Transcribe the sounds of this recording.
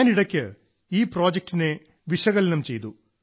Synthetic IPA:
niɽɐkʲːɨ | iːpro̞ːd͡ʑek̚ʈine̞ | ʋiʂɐɣɐlɐnɐmt͡ɕe̞jt̪u

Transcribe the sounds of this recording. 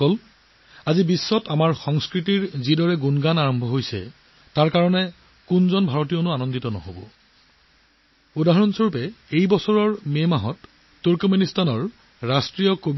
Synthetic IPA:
ɔl | azibisːɔtamaɹxɔŋskɹitiɹzidɔɹɛɡunɡanaɹɔmbʱɔɦojsɛ̰ | taɹkaɹɔnɛ | kunzɔnbʱaɹot̬ijonʊanɔnditɔnɔ̰ɦo̰bɔ̰ | udaɦɔɹɔnsoɹpɛejbɔsɔɹɔɹmemaɦɔtː | uɹkɔministanɔɹː | astɹijɔkob

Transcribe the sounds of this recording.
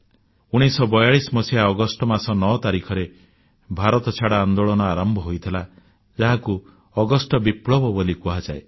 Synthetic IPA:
uɽ̃isɔbɔjaɭismɔsiaɔɡɔsʈɔmasɔnɔt̪aɾikʰɔɾe | bʱaɾɔt̪ɔt͡ʃʰaɽaːnd̪oɭɔnɔaɾɔmbʱɔɦojt̪ʰila | d͡ʒaɦaku | ɔɡɔsʈɔbipɽɔbɔbolikuɦad͡ʒae

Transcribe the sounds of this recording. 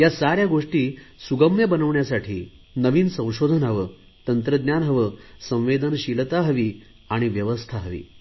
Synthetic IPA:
jasaɾjaɡoʂʈiːsuɡəmjəbənəʋɳjasaʈʰiː | nəʋiːnsə̃w̃ɕod̪ʱənɦəʋəː | t̪ənt̪ɾəd̪njanɦəʋəːsə̃w̃ʋed̪ʱənɕilt̪aɦəʋiː | aɽ̃iʋjəʋəst̪ʰaɦəʋḭː

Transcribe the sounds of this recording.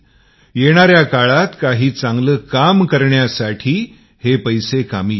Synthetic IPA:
jeɽ̃aɾjakaɭat̪kaɦiːt͡sãŋɡləːkamkəɾɳjasaʈʰiː | hepəjsekamiː

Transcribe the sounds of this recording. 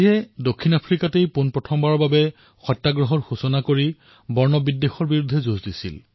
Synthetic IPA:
iɛdokʰːinapʰɹikatejpunpɹɔtʰɔmbaɹɔɹbabɛ | xɔjtːaɡɹɔɦɔɹxusɔnakoɹi | bɔɹnɔbidːexɔɹbiɹudʱːɛzozdisḭl

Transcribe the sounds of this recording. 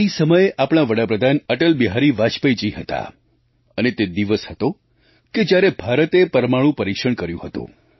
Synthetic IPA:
isəməjeʔapɽ̃aʋəɽapɾəd̪ʱanəʈəlbiɦaɾiʋat͡ʃpəjd͡ʒiɦət̪a̰ | ənet̪ed̪iʋəshət̪o | ked͡ʒjaɾebʱaɾət̪epəɾmaɭ̃ũpəɾikʃəɳkəɾjũɦət̪ṵ̃

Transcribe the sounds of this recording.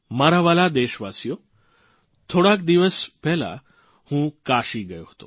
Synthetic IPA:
maɾaʋalad̪eɕʋasjo | t̪ʰoɽakd̪iʋəspɛɦla̰ | hũːkaɕiːɡəjoɦot̪o

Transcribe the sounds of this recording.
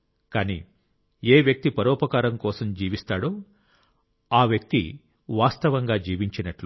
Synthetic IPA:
kaːnḭː | eːʋjɐk̚t̪ipɐɾɔːpɐkaːɾɐmkɔːsɐmd͡ʒiːʋist̪aːɽoː | aːʋjɐk̚t̪ḭ | ʋaːst̪ɐʋɐŋɡaːd͡ʒiːʋiɲt͡ʃinɐʈlu

